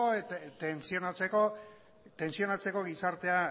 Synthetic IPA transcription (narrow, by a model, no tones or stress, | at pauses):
ot̪ensio̞nat͡se̞ko̞ | t̪e̞nsio̞nat͡se̞ko̞ɣisaɾt̪e̞a